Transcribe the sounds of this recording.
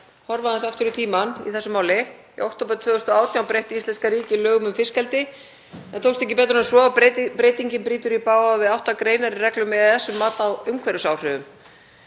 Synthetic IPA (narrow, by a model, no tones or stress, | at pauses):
hɔɾvaðansaft̪ʏɾʏt̪ʰiːmanḭθɛsʏmaːwlɪ | ḭʔowkt̪owpaɾt̪ʰvœːðʏst̪ɔaːwt̪njawpɾejht̪ist̪ɛnskaɾiːcɪlœːɣʏmʏmfɪskɛlt̪ɪ | ɛnt̪ʰowst̪ehcɪpɛːt̪ɾʏɛnsvɔawpɾeːjt̪iɲcɪmpɾiːt̪ʏɾipaːwavɪðawht̪akɾeːjnaɾɪrɛklʏmːɛðaθɛsːʏmːaːt̪awʏŋkʰvɛɾʏsawr̥ʏvʏm